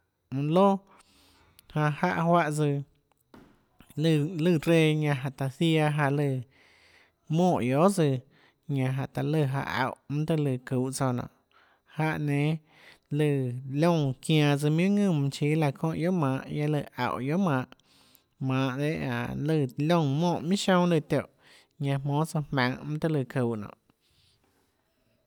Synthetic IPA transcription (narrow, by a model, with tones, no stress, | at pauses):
lo˦ | hã˧ha˦˧ʔhwa˧ʔd͡zɨ˧ | lɨ˧˨lɨ˧˨ɾe˧˨ɲã˧ɦa˨ʔt̪a˨θi˦a˧ɦa˧lɨ˧˨ | mõː˦˧˨jo˨˦d͡zɨ˧ | ɲã˧ɦa˨ʔt̪a˨lɨ˧˨ɦa̰˧ʔa̰˨ʔmũ˦t̪ə˧lɨ˧˨kuː˨˦˨ʔt͡so˧nɔ̰̃˧˨ | ha˧ʔnẽ˨˦ | lɨ˧˨lõ˦˧˨ŋkjãː˧d͡zɨ˧m̃˦ũ˦ŋɨ̃˦˧˨m̃˧t͡ʃiː˧˦la˧kʰõ˧ʔjo˦mãː˨˧˦ʔja˦lə˧˨ʔa̰˨ʔjo˦mãː˧˦ʔ | mãː˨˧˦ʔd̪e˦ʔã̰˨lə˧˨lʲõ˦˧˨mõː˦˧˨ʔmĩ˦ʃõ˧ŋlɨ˧˨t̪jo˨ʔ | ɲã˧mõː˨˦t͡so˧mã˧˦ŋmã˦t̪ə˦lɨ˧˨ku˨nɔ̰̃ː˧˨ʔ